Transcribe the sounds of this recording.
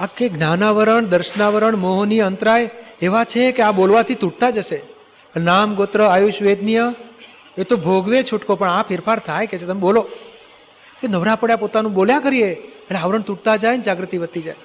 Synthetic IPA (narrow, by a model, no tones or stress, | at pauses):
akːeɡnanaʋəɾəɳd̪əɾʃənaʋəɾəɳmoɦonijənt̪ɾajeʋat͡ʃʰekeabolʋat̪ʰit̪uʈ̚t̪ad͡ʒəʃe | ənamɡot̪ɾəajuʃʋed̪nijə | et̪obʱoɡʋet͡ʃʰuʈkopəɳapʰɪɾfʰaɾt̪ʰajket͡ʃʰet̪əmebolo | kenəʋɾapəɽjapot̪anũboljakəɾieeleaʋəɾəɳt̪uʈ̚t̪ad͡ʒajnd͡ʒaɡɾət̪iʋət̪ːid͡ʒaj